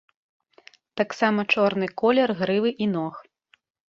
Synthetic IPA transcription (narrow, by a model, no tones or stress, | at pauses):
t̪aksamɐt͡ʂɔrn̪ɨkɔlʲɛrɣɾɨvɨʔinɔx